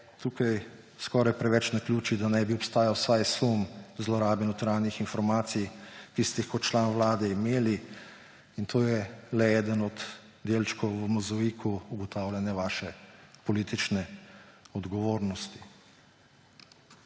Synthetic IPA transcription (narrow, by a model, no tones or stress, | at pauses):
t̪uːkaj | skɔɾajpɾɛʋɛt͡ʃnaklʲjuːt͡ʃid̪anɛbiɔpst̪aːjawsajsumzlɔɾaːbɛnɔt̪ɾaːnixinfɔɾmaːt̪sijkist̪ɛixkɔt̪t͡ʃlaːnʋlaːd̪ɛimeːli | int̪ʰoːjɛlɛɛːd̪ənɔd̪ | d̪eːlt͡ʃkɔwʋəmɔzaʋikʰuuɡɔt̪aːwlʲanjɛʋaːʃɛpɔliːt̪it͡ʃnɛ | ɔd̪ɡɔʋoːɾnɔst̪i̥